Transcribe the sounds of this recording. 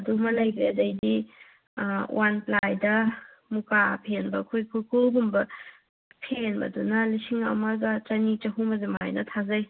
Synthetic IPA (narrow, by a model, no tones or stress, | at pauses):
ɐdumɐlɐjɡiɐdɐjdi | wʔanplajdɐ | mukapʰenbɐkʰujkʰujkʰulbumbɐ | pʰenbɐ̰dunɐlisiŋɐ̰mɐɡɐt͡ʃɐnit͡ʃɐɦumɐzema̰jnɐtʰazɐj